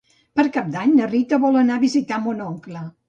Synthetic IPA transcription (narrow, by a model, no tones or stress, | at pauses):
pəɾkap̚d̪aɲnərit̪əβɔlənaβizit̪amonɔŋklə